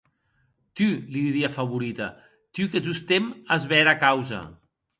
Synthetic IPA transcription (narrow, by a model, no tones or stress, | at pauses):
t̪yliðiɾiafaβuɾit̪ɐ̰ | t̪yket̪ust̪emazβɛɾakawza̰